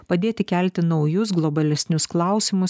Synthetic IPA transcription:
pɐd̪ʲeːt̪ʲɪkʲælʲt̪ʲɪnɒʊjʊs̬ɡlˠɔbɐlʲɛsʲnʲʊsklˠɑˑʊsʲɪmʊs

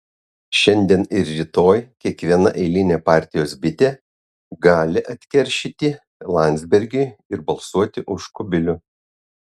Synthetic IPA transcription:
ʃʲɛnʲd̪ʲiɛnɪɾɾʲɪt̪oːjkʲiɛkʋʲiɛnɐ̰ʔɛɪlʲɪnʲeːpɑːˑɾʲt̪ʲɪjoːsbʲɪt̪ʲeː | ɡɑːlʲɪʔɐt̪ʲkʲɛɾʲʃʲɪt̪ʲi | lˠɑnʲd̪zʲbʲɛɾʲɡʲʊɪɾbɐlˠsuɔt̪ʲɪʔʊʃkʊbʲɪlʲʊ

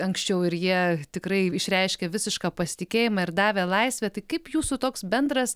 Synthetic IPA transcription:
ɐŋksʲt͡ʃʲɛʊɪɾjiɛt̪ʲɪkɾɐɪɪʃʲɾʲɛɪʃʲkʲɛʋʲɪsʲɪʃkɑːpɐsʲɪ̥t̪ʲɪkʲeːjɪmɑːɪɾd̪ɑːʋʲeːlˠɐɪsʲʋʲeːt̪ɐɪkɐɪpjuːsuːt̪oːksbʲɛnd̪ɾɐs

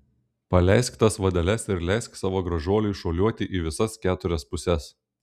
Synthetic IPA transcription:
pɐlʲɛɪsʲkt̪ɐsʋɐd̪ʲɛlʲɛsɪɾlʲæˑɪsʲksɑːʋoːɡɾɐʒuɔlʲʊɪʃoːlʲuɔt̪ʲɪʔiʋʲɪsɐskʲæːt̪ʊɾʲɛspʊsʲɛs

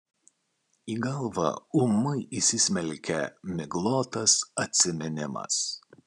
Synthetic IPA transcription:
iːɡɐlˠʋɐ̰ʊmːɐɪʔisʲɪsʲmʲɛlʲkʲɛmʲɪɡlˠoːt̪ɐsɐt̪ʲsʲɪmʲɛnʲɪmɐ̰s

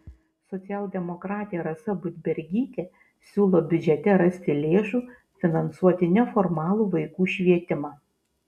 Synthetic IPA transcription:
sɔt̪sʲæːlʲˠd̪ʲɛmɔkɾɑːt̪ʲɪjɛɾɐsɐbʊd̪ʲbʲɛɾʲɡʲiːt̪ʲɛ | sʲuːlˠoːbʲʊd͡ʒʲɛt̪ʲɛɾɐsʲt̪ʲɪlʲeːʃuː | fʲɪnɐnsuɔt̪ʲɪnʲɛfɔɾmɑːlˠuːʋɐɪkuːʃʲʋʲiɛt̪ʲɪmɑː

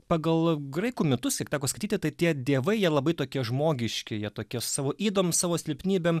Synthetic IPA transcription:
pɑːɡɐlˠɡɾɐɪkuːmʲɪt̪ʊskʲiɛkt̪ʲɑːkoːskɐɪtʲiːt̪ʲɪt̪ɐɪt̪ʲiɛd̪ʲiɛʋɐɪjiɛlˠɐbɐɪt̪oːkʲiɛʒmoːɡʲɪʃʲkʲɪjiɛt̪oːkʲiɛsɑːʋoːʔiːd̪oːmʲsɑːʋoːsʲlʲɪpʲnʲiːbʲem

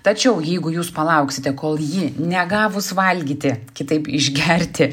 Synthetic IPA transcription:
t̪ɐt͡ʃʲɛʊjɛɪɡʊjuːspɐlˠɐʊksʲɪt̪ʲɛkoːlˠjiːnʲɛɡɑːʋʊsʋɐlʲɡʲiːt̪ʲɪkʲɪt̪ɐɪpɪʒʲɡʲɛɾʲt̪ʲɪ

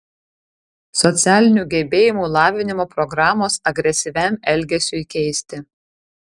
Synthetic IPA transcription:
sɔt̪sʲæːlʲɪnʲuːˑɡʲɛbʲeːjɪmuːlˠɑːʋʲɪnʲɪmoːpɾɔɡɾɑːmoːsɐɡɾʲɛsʲɪʋʲæˑmʲɛlʲɡʲɛsʲuikʲɛɪsʲt̪ʲɪ

